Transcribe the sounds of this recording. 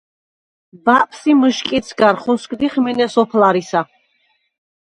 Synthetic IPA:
baʔpʰsimɨʃkʼit̪sʰɡaɾχɔskʼd̪iχmɛnɛsɔpʰlaɾisa

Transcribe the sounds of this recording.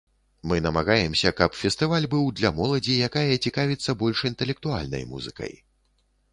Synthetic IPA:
mɨnɐmaɣajɛmsʲɐkɐpfʲɛst̪ɨvalʲbɨwd̪lʲɐmɔlˠɐd͡zʲijakajɐt͡sʲikavʲit̪sːɐbɔlʲʂint̪ɛlʲɛk̚t̪ua̰lʲnɐ̰jmṵzɨ̰kɐ̰j

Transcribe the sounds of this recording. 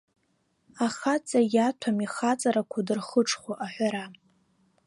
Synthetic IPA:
aχat͡sʼajatʷʰamiχat͡sʼaɾakʷʰadɨrχəʈ͡ʂʰʼχʷoʔaħʷᶣaɾa

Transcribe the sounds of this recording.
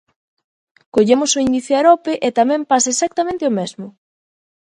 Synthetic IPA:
koʎemʊsʊiniθjaɾɔpeʔet̪amɛ̃mpasesak̚t̪amẽnt̪ɪomezmʊ

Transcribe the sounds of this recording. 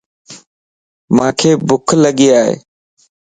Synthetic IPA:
mãːkʰeːbʊkʰləɠiːaːɦḛː

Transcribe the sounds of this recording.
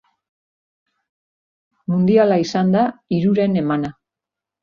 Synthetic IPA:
mund̪ialaisand̪aiɾuɾe̞ne̞mana

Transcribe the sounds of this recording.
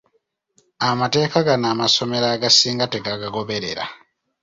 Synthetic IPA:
amate̞ːkaɡanaːmaso̞me̞ɾaːɡasiːŋɡate̞ɡaɡaɡo̞βe̞ɾe̞̰ɾa̰

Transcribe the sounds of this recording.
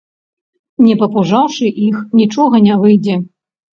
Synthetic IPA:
nʲɛpɐpuʐawʂɨʔixnʲit͡ʂɔɣɐnʲavɨjd͡zʲɛ

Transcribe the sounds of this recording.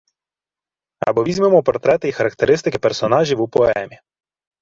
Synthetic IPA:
ɐ̰bɔʋʲizʲmemɔpɔɾt̪ɾɛt̪ɪixɐɾɐkt̪eɾɪst̪ɪkɪpeɾsɔnɑʒʲiwupɔɛ̰mʲi

